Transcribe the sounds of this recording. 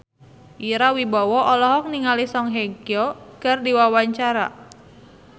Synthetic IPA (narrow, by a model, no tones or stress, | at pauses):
ʔiɾawibɔwɔʔɔlɔɦɔk̚niŋalisɔŋɦeɡjɔkərdiwawaɲt͡ʃaɾa̰